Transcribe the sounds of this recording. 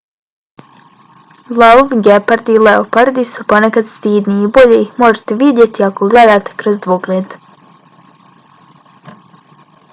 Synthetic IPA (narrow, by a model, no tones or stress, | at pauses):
lˠauʋɡepaɾd̪ileopaɾd̪isu̥ponekad̪st̪iːd̪niːboʎeixmoʒe̥t̪eʋid̪jet̪iakoɡled̪aːt̪e̥kɾozd̪ʋoɡleːd̪